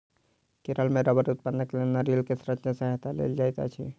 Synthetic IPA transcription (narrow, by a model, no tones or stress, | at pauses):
keɾəlmeɾəbəɾut̪̚pənːəklenaɾilkesɾət̪ʃəsəɦt̪alḛld͡ʒaːjt̪a̰t͡ʃʰḭ